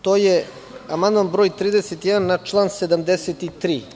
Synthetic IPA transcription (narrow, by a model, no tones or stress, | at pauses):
t̪oːje | amand̪manbɾoːjt̪ɾiːd̪eset̪jɛd̪anːat͡ʃlˠaːnsed̪amd̪eset̪it̪ɾiː